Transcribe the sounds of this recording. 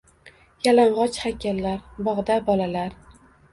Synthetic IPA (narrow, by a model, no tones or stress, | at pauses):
jalaɴʁɒt͡ʃhakʲʰallːaɾbɒʁd̪abɒlalaɾ